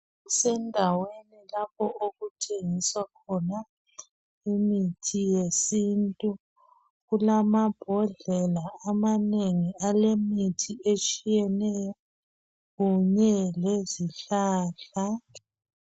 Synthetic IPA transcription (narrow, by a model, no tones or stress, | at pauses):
sɛndʱawenilapʰɔʔoɣutʰeŋiswakʰɔna | imitʰijesintʼu | ɣulamab̥ʱɔɮɛlaamaneŋialemitʰiet͡ʃʼijɛnɛjɔ | ɣuɲɛleziɬaːɬa